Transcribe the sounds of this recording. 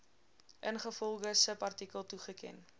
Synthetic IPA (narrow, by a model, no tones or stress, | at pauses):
ʔənχəfɔlˠɡəsəpɐrtikəlˠtuχəkɛ̰n